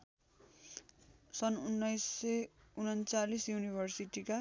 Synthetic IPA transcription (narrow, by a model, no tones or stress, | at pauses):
sʌnunːʌjsːeunʌnt͡salisjunibʱʌrsiʈika